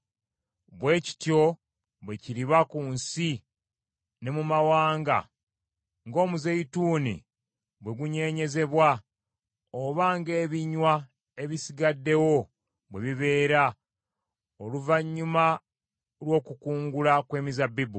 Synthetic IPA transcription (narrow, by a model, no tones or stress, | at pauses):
βwe̞ːci̥tjo̞ | βwe̞ciɾiβakunsi | ne̞mumawaːŋɡa̰ | ŋɡo̞ːmuze̞ituːnḭ | βwe̞ɡuɲe̞ːɲe̞ze̞βwa | oβaŋɡe̞ːβiɲwa | e̞βisiɡadːe̞wo̞ | βwe̞βiβe̞ːɾa | oluvaɲːuma | lwo̞ːkukuːŋɡulakwe̞ːmizabibu